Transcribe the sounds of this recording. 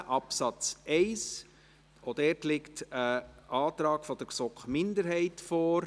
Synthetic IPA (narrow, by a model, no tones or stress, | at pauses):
ʔɑpsɑt͡sɛɪs | od̥ɛːtlɪktəʔɑːt̪ɾɑːɡ̥fɔd̥əɾsɔkχmɪndəɾhɛɪtfɔːɾ